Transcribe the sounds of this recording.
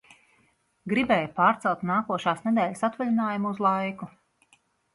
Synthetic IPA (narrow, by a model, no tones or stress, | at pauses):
ɡɾibɛːjupaːɾt̪sɛlˠt̪naːkuɔʃaːsned̪ɛːʎʲsat̪valʲinaːjumuuzlˠajku